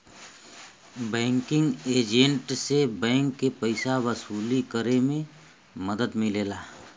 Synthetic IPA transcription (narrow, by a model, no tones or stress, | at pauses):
bɛ̃ːŋkɪ̃ŋɡeːd͡ʒə̃ɳʈsebɛ̃ːŋkːepəɪsaʋəsuːlikəɾemẽ | məd̪əd̪mɪleːlaː